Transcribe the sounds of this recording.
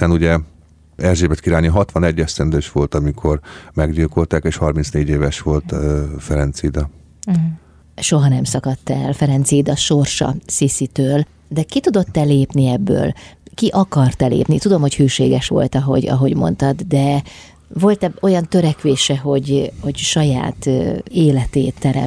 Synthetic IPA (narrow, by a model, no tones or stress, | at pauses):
ɛnuɟɛ | ɛrʒeːbɛt̪kiɾaːniɦɒt̪ʋɒnɛɟːɛst̪ɛnd̪øːʃʋo̞lt̪ɒmikʰo̞rmɛɡɟilko̞lt̪aːkeːʃhɒrmint̪sneːɟeːvɛʃʋo̞lt̪øfɛɾɛnt̪siːd̪ɒ | ʃo̞ɦɒnɛmsɒkɒt̪ːɛlfɛɾɛnt̪sid̪ɒʃo̞rʃɒ̰sisit̪øːl | d̪ɛkit̪ud̪o̞t̪ːɛleːpniɛbːø̰ːlkiʔɒkɒrt̪ɛlḛːpnit̪ud̪o̞mho̞chøːʃeːɡɛʃʋo̞̰lt̪ɒɦo̞̰ɟɒ̰ɦo̞ɟmo̞̰nt̪ɒd̪d̪ɛ | vo̞lt̪ɛo̞jɒnt̪øɾɛkʋeːʃɛɦo̞ɟho̞ɟʃɒja̰ːt̪ːeːlɛt̪eːt̪ːɛɾɛ̰m